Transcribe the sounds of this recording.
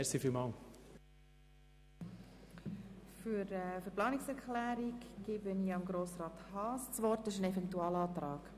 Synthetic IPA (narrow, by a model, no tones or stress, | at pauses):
ɛsifilmɑːl | fyɾɛfʏɾplɑːnɪksɛɾkʰlæːɾiɡɡ̥ɪbəniɑmɡɾoːsɾɑːthɑːst͡sʋɔrtɪʃənɛfɛntuɑːlɑːt̪ɾɑːɡ